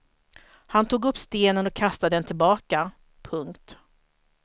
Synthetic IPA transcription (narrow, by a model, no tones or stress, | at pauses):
hant̪ʰuːɡɵpːst̪eːnənɔkʰast̪ad̪ɛnt̪ʰɪlbɑːka | pʰɵŋkt̪